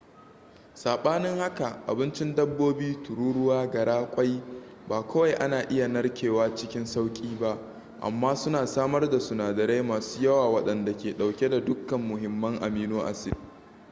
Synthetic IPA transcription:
saː˨ɓaː˦nɪ˦ŋha˦ka˨ʔa̰˨bɪ˦nt͡ʃɪ˦ndɐ˦bːoː˦biː˦tʊ˨ɾuː˦ɽʊ˦waː˦ɡɐ˨ɽaː˦kʷʼɐ˦jbaː˨kʷʰɐ˦wa˦˨jʔa˦naː˨ʔɪ˦ja˨nɐ˦ɽkʲʰeː˨waː˦t͡ʃɪ˦kʲɪ˦nsa˦wkʲʼiː˦ba˦ʔ | ʔa̰˨mːaː˦sʊ˦naː˨saː˦mɐ˦rda˨sʊ˨naː˨dɐ˨ɾe˦maː˨su̥ː˦jɐ˦waː˨wɐ˦ɗɐ˨nda˨kʲeː˨ɗa˨wkʲe˦da˨dʊ˦kːɐ˨mːʊ˨ɦɪ˨mːɐ˦ŋʔa̰˨miː˦noː˦ʔa̰˨sɪ˦˨d

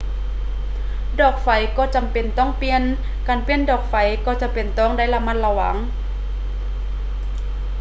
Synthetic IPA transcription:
dɔː˨˩k̚fa˨˩jkɔː˧˩t͡ɕa˨mpe˨˩nt̪ɔː˥˩˨ŋpi˧ən | kaː˨˩npi˧əndɔː˨˩k̚fa˨˩jkɔː˧˩t͡ɕa˨˧˩pe˨˩nt̪ɔː˧˥˩ŋdaː˥˨jla˧ma˧˥˨nla˧wa̰˨˩˦ŋ

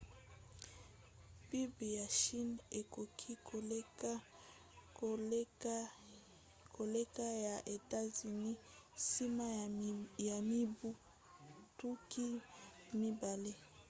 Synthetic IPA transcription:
pi˦bi˨ja˨ʃi˦ne˨ko˨kʰi˦ko˨le˦a˦ | kʰo˨le˦ka˦ja˨ʔe˨ta˦zi˨ni˦ | si˦ma˦ja˨mi˦bu˦ | tu˦ki˦mi˦ba˨le˦

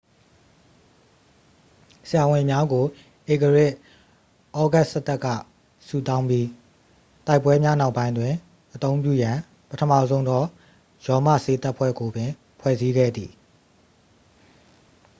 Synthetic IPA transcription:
sɪja˨wɪ̃˨mja˦ɡo˨ | ʔe˨kə˨ɹɪ˦˨ʔ | ʔɔ˦ɡa˦sə˦t̪ɛ˦kːä̰˦˨ | sṵ˦˨t̪ã˦ʊ̃mpji˦ | ta˦ɪpːwɛ˦mja˦na˦ʊpːã˦ɪ̃ndwɪ̃˨ | ʔət̪õ˦ʊ̃mp̬jṵ˦˨jã˨ | pətʰəmä̰˦˨zõ˦ʊ̃nd̪ɔ˦˨ | jɔ˨ma̰˦˨se˦t̪a˦ʔpʰwɛ̰˦˨ɡo˨bɪ̃˨ | pʰwɛ̰˦˨zi˦ɡɛ̰˦˨d̪ḭ˨

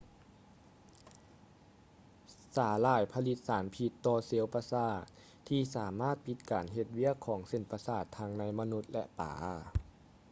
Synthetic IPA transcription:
saː˩˦laː˧˩jpʰa˧li˧t̪̚saː˩˦npʰi˧t̪ːɔː˧se˧˦wpaː˧saː˧˩t̪̚ | t̪ʰːiː˧saː˩˦maː˥˨t̪̚pʰi˧t̪̚kaː˨nɦe˧t̪̚wi˧˥˩əkʰːɔː˩˦ŋse˧˩npa˧saː˧˩t̪ʰːa˧˥ŋna˧˥jma˧nu˧˥t̪̚lɛ̰˧ʔpa̰ː˨˦

